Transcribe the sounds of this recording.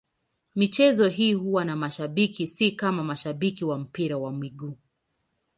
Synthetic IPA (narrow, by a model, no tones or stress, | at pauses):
mit͡ʃɛzɔɦiːhuwanamaʃaɓikisikamamaʃaɓikiwam̩piɾawamwiɡuː